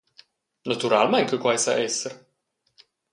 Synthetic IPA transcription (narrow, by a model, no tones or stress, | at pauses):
nat̪uɾalmɛŋkəkwajsa̰ʔɛsːeɾ